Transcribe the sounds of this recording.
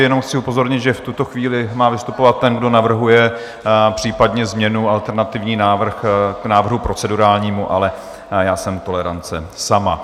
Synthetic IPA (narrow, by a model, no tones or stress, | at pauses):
jɛno̞mxt͡sɪupo̞zo̞ɾɲɪt̪ʒɛft̪ut̪o̞xviːlɪmaːvɪst̪upo̞vat̪ːɛnɡdo̞navr̩ɦujɛ | pr̝̥iːpadɲɛzmɲɛnualt̪ɛɾnat̪ɪvɲiːnaːvr̩xnaːvr̩ɦupɾo̞t͡sɛduɾaːlɲiːmuʔa̰lɛ | jaːsɛmt̪o̞lɛɾant͡sɛsama̰